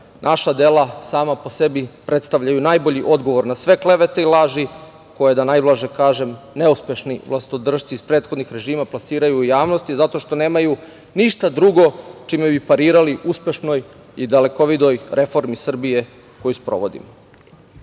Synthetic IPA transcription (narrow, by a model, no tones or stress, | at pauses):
nʔaʃad̪elˠasaːmapo̞se̞bipɾet̪st̪aʋʎajunajbo̞ʎiʔo̞d̪ɡo̞ʋo̞ɾnasʋe̞kle̞ʋe̞t̪eilˠaːʒi | ko̞jed̪anajblaʒekaːʒe̞mne̞uspʲje̞ʃniʋlˠast̪od̪r̩ʃt̪siispɾe̞ːt̪xo̞d̪nixɾe̞ʒiːmaplˠasiːɾajujaːʋnost̪izat̪o̞ʃt̪o̞ne̞ːmaju | niʃt̪ad̪ɾuɡo̞t͡ʃimebipaɾiːɾaliʔuspʲe̞ʃno̞j | id̪ale̞koʋid̪o̞jɾʔe̞fo̞ɾmisr̩bije̞ | ko̞juspɾo̞̰ʋo̞d̪ḭmo